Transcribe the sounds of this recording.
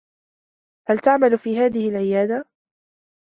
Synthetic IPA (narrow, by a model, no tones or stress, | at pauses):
halt̪aʕmalfiːɦaːðɪhɪlʕɪjaːd̪a